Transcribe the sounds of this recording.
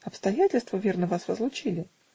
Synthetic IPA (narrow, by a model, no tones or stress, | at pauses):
ɐpst̪ɐjætʲɪlʲst̪vəvʲe̞rnəvasvəzlˠʊt͡ɕilʲɪ